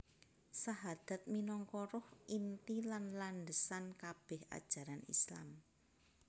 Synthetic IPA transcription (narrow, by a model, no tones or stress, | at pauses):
saɦad̪̥a̤t̪̚minɔŋkɔɾʊhʔint̪ilanlanɖəsankab̥ɛha̰d̥ʒ̥a̤ɾanḭsla̰m